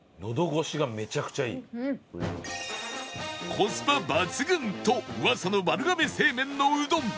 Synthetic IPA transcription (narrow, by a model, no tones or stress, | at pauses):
no̞d̪o̞ɡo̞ɕiɡame̞t͡ɕakɯ̟̥t͡ɕaḭː | kʰosɨ̥pabat͡sɨɡɯ̟̃nt̪oɯasonomaɾɯ̟ɡame̞se̞ːmẽ̞nːoɯd̪õm